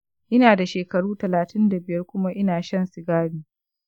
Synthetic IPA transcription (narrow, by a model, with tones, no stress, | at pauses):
ʔɪ˦naː˨da˨ʃeː˨kɐ˨ɽuː˦tɐ˨laː˨tɪ˦nda˨bɪ˨jɐ˦rkʷʊ˦ma˦ʔɪ˦naː˨ʃɐ˦nsɪ˨ɡaː˦ɽiː˨